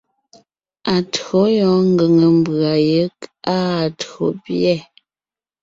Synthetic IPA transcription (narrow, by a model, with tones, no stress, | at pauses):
a˨tɰo˨˦jɔ˨˦ŋ˦ɡə˨ŋə˨m˨ba˨jə˨˦kaː˦˨tɰo˨˦pjɛ˦˨